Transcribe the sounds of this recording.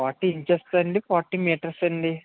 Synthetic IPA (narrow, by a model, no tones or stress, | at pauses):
aːɾʈːiːɲt͡ʃesʈɐɳɖipaːʈːiŋmeːʈɐɾsɐnɖ̪i